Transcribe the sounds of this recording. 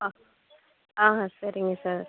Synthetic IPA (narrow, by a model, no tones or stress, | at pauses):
a | aːɦãsɐɾɪŋɡɐsaːɾ